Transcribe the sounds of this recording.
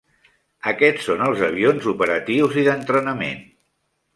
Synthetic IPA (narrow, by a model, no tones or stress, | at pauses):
əkɛt͡ssːonəlˠzəβ̞ionzupəɾət̪iwziðənt̪ɾənəmḛn